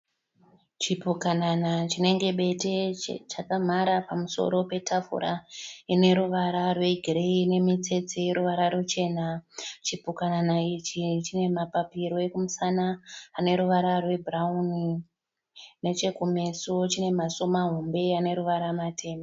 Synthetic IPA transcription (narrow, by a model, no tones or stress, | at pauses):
t͡ʃipukananat͡ʃine̞ŋɡe̞ɓe̞tet͡ʃakam̤aɾapamuso̞̰ɾo̞pe̞tʰafṵɾa̰ine̞ɾuʋaɾarwe̞iɡʱireine̞mit͡se̞t͡sejeɾuʋaɾarut͡ʃe̞ːnat͡ʃipukananait͡ʃit͡ʃine̞mapapiɾo̞ekumusanaːne̞ɾuʋaɾarwe̞bʱrauni | ne̞t͡ʃe̞kume̞sot͡ʃine̞maso̞maɦumbe̞ane̞ɾuʋaɾamatʰe̞ːmba